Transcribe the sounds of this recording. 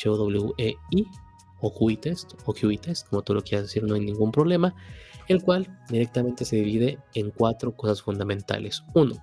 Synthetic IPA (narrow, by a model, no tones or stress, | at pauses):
t͡ʃeoðoβleuʔei | oxuit̪est̪oxjuit̪est̪̚ko̞mo̞t̪ulo̞kjeɾazðesiɾno̞ajnĩŋɡumpɾoβle̞mae̞lkwald̪iɾe̞k̚t̪amẽ̞nt̪ese̞ðiβiðe̞ːŋkwat̪ɾo̞ko̞sasfund̪amẽnt̪a̰le̞suno